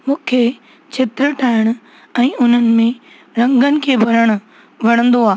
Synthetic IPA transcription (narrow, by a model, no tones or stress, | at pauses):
mũːkʰe | t͡ɕʰet̪ɾəʈʰaːɪɽ̃ʊ̆ | ɛ̃ːʊn̤ənɪ̆mẽ | ɾɐ̃ŋɡənɪ̆kʰeːbʱɐɾəɽ̃ʊ̆ | ʋɐɽ̃ə̃nd̪oaː